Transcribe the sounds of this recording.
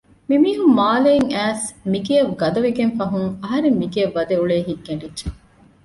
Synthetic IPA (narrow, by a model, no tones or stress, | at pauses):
mimiːɦumːaːleŋæːsmiɡeɐʋɡɐd̪ɐʋiɡenfɐɦuŋɐɦɐɾemːiɡeɐʋːɐd̪euɭeːɦiɡːɐɳɖidːʒe